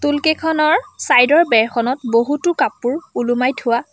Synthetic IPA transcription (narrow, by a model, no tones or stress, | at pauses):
tulkekʰɔnɔɹsajdɔɹbɛɹkʰɔnɔtboɦutʊkapːuɹulumajtʰʊwa